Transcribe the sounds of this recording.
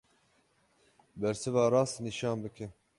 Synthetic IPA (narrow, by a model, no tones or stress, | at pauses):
bɛɾsɨvɑːɾɑːsniʃɑːnbɨkʰɪ